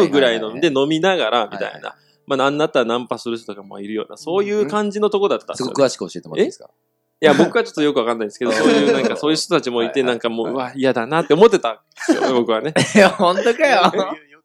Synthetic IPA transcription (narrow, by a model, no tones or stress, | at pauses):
ɯ̟ɡɯ̟ɾainond̪e̞no̞mʲinaɡaɾamʲḭt̪a̰ḭna̰ | manãnːat̪ːaɾanãmpasɨɾɯ̟ɕ̬t̪ot̪okamoa̰iɾɯ̟jo̞̰ːna̰so̞ːjɯ̟ːkãɲ̟d͡ʑino̞t̪o̞ko̞d̪at̪ːtːa̰sɡo̰kɯ̟βaɕi̥kɯhoɕiet̪emoeska̰ | jabo̞kɯ̟βat͡ɕo̞t̪ːo̞jo̞kɯβakãnːaid̪esɨ̥ke̞d̪osoːjjɯːnãŋkaso̞ːjɯ̟ç̥t̪ot̪at͡ɕimo̞it̪e̞nãŋkamo̞̰ːɯβaiad̪anat̪ːe̞o̞mo̞t̪̬ːe̞t̪ãnd̪esɨjonebo̞kɯ̟βane̞hõnt̪okajo